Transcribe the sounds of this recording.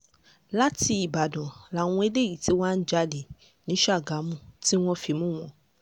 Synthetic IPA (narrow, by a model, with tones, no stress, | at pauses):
la˦tʰi˨ba˨dɔ̃˨la˨ŋʷɔ̃˦e˦de˦˨i˨tʰi˦wã˦n̩˦d͡ʒa˦de˨ | nĩ˦ʃa˦˨ɡa˨˦mʊ̃˦tʰɪ̃˦wɔ̃˦fi˨mũ˦wɔ̃˨